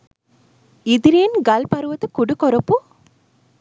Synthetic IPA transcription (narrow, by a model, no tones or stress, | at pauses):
id̪iɾiːnɡɐlpɐɾuʋɐt̪ɨkuɽukɔɾɐpːu